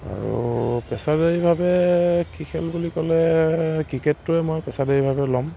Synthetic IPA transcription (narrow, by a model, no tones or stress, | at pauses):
a̰ɹuṵpɛsadeibʱabɛkikʰɛlbulikɔlɛkɹiketːʊɛmɔjpɛsadeɹibʱabɛlɔm